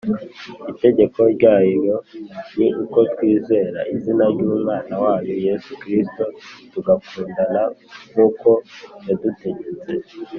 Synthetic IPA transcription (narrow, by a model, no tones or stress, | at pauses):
ite̞ɟe̞ko̞ɾɟaːiɾo̞niʔuko̞twiːze̞ːɾa̰ʔizinaɾɟuːmŋaːnawaːjoje̞sukɾisto̞tuɡakuːndanamuːko̞jaduteɲeze